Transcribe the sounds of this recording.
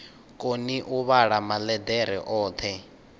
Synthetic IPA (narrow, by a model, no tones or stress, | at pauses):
kʼoniʔuβaɺamalɛd̪ɛɾɛ̰ʔɔːt̪ʰɛ